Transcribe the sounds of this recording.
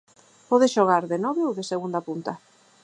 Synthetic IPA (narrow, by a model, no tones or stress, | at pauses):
pɔðɪsʃoɣaɾðenɔβeowðɪseɣund̪apunt̪a